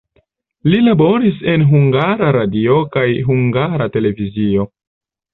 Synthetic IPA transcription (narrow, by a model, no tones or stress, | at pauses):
lilabo̞ɾise̞nɦuŋɡaɾaɾadio̞kajɦuŋɡaɾate̞le̞vizio̞